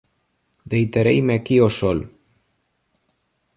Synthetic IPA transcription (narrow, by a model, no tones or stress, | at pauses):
d̪ejt̪aɾejmeakiosol